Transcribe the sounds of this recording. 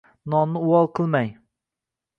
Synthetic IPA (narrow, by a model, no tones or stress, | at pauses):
nɒnnɪʊɒlˠqʰɨlˠmaj